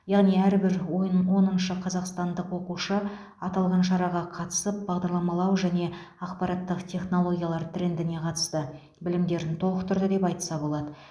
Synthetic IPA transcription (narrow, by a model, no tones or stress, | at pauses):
jɑʁnijæɾbɪɾwowo̞nənʃəqʰɑzɑqst̪ɑnd̪əqwo̞quʃə | ɑt̪ɑlˠʁɑnʃ̬ɑɾɑʁɑqʰɑt̪ə̥səp̚bɑʁd̪ɑɾlˠɑmɑlˠɑwʒæne̞ | ɑqpɑɾɑt̪ːəqt̪ʲʰe̞χno̞lˠo̞ɡʲjɑlˠɑɾt̪ʰɾe̞nd̪ɪne̞qʰɑt̪ə̥st̪ə | bɪlɪmd̪e̞ɾɪnt̪ʰolˠəqt̪ʰʊɾd̪əd̪e̞pɑjt̪ə̥sɑbo̞lˠɑd̪ə